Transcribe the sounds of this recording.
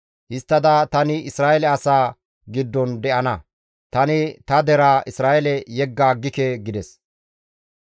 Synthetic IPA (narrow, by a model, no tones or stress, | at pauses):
hɪst̪ːɐd̪ɐt̪ɐnɪɪsɾaːʔɛlɛɐsaː | ɡɪd̪ːɔnd̪ɛʔɐnɐ | t̪ɐnɪt̪ɐd̪ɛɾaːɪsɾaːʔɛlɛjɛɡːaːɡːɪkɛɡɪd̪ɛs